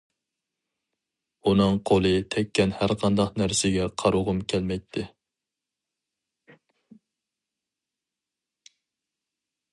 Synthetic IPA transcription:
unɨŋqʰolˠɨt̪ʰɛkʲːɛnhæɾqʰɑnd̪ɑqnæɾsɪɡʲɛqʰɑɾʊʁʊmkʲʰɛlmɛjt̪ʰːɪ

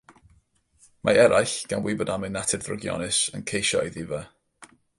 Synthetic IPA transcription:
mʔa̰ɛɾajɬɡ̥anwɪbɔdamɪnatʰɛdθrʊ̰ɡjɔ̰nɪsə̰nkʰejʃɔjðivə

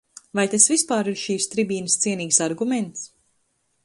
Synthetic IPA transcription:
vajt̪asvispaːɾiɾʃiːst̪ɾibiːnəst̪siɛniːksaɾɡumɛnt̪s

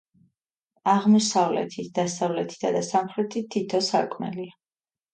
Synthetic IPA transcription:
aʁmɔsavlɛ̰t̪ʰit̪ʰd̪̥asavlɛt̪ʰi̥d̪ʰad̪asamχɾɛt̪ʰit̪ʰːit̪ʰɔsa̰ɾkʼmɛ̰lia

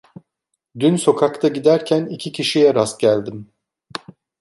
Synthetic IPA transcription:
d̪ynso̞kʰakt̪ʰaɟid̪æɾcʰænicʰicʰiʃijɛɾasɟælʲd̪im

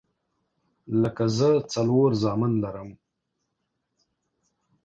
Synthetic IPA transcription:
ləkazət͡saloɾzɑːmɪnlaɾəm

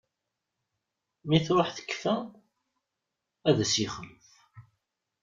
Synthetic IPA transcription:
miθɾʊħθə̥kːfæ | æðæsiχələθ

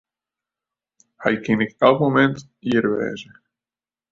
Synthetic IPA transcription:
hɛ̰jkɪnɪkɛlˠkmomɛnt | iəɾʋɛ̰ːzə

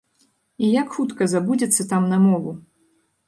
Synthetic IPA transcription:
ijakxut̪kɐzabud͡zʲɐt̪sːɐt̪amnɐmɔvu

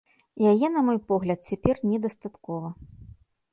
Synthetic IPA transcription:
jajɛnɐmɔjpɔɣlʲɐt̪̚t͡sʲapʲɛrnʲɛd̪ɐst̪at̪kɔvɐ

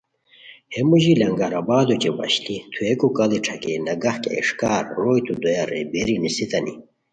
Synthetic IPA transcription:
hemuʑilɐŋɡaɾɐbaːd̪ot͡ɕebɐ̰ɕlit̪ʰuekukɐliʈ͡ʂʰɐkenɐɡɐhkḛːʂkaːɾːoːjt̪ʰud̪ojaɾḛbeɾinisit̪ɐnḭ

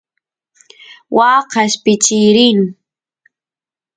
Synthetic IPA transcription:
wɑːqɑʃpɪt͡ʃɪɾɪŋ

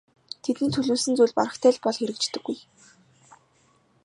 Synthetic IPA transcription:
t̪ʰet̪ɘ̆nt̪ʰɵɮuːsɘ̆nt͡sujɮʲpa̰ɾə̆χt̪ʰæːɮpɔɮxeɾɘ̆kt͡ɕt̪ɘ̆ɡːuj

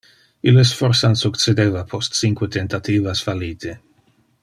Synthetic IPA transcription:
ilesfɔɾsansukt͡sed̪eːvapʰɔst̪t͡siŋkwet̪ent̪at̪iːvasfaliːt̪ʰe

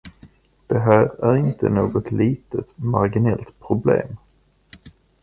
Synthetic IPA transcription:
d̪̥ɛɦæːɾæɾɪnt̪ə̰noːɡɔt̪liːt̪ət̪maɾɡɪnɛlt̪pʰɾʊblḛːm

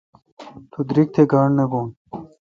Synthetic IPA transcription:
t̪ud̪ɾik̚t̪ʰeɡaːɳneboːn

